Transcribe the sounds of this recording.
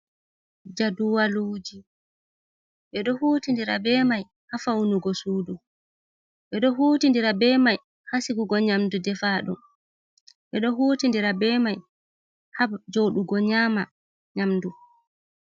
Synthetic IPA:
d͡ʒaduwaluːd͡ʒi | ɓɛɗɔhuːtindiɾa̰bɛːmaj | hafawnuɡɔsuːdu | ɓɛɗɔɦuːtindiɾabɛːmaj | hasiɡuɡɔɲamdudɛfaɗṵm | ɓɛɗɔɦuːtindiɾabɛːmaj | had͡ʒoɗuɡɔɲaːma | ɲamdu

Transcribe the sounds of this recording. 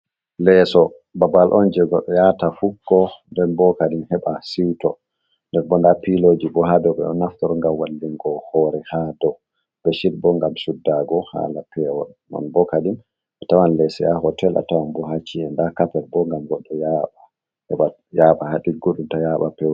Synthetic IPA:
lɛsɔ | babalʔɔnd͡ʒɛɡɔɗɔjatafukːɔndɛnbɔkaɗinhɛɓasiwtɔ | ndɛnbɔndapilod͡ʒibɔɦadɔbɛ̰ɗɔnaftɔɾɔŋɡamwalːiŋɡɔhɔɾɛhadɔ | b̥ɛʃiɾbɔŋɡamsudːaɡɔha̰lapʰɛwɔ̰ɗnɔ̰nbɔkaɗin | ʔatawanlɛsɔjaɦɔtɛla̰tawanbɔɦat͡ʃːiɛndakapɛɾbɔŋɡamɡɔɗːɔjaɓa | hɛɓa | jaɓahaɗiɡoɗumtajaɓapɛw

